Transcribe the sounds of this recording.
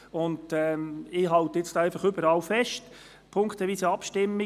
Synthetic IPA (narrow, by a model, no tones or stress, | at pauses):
ʊndɛɪɦɑlt̪əɪt͡stːæɪfɑχʏbəɾɑlfɛʃt | pʰʊŋktəʋiːsəɑpʃtɪmːi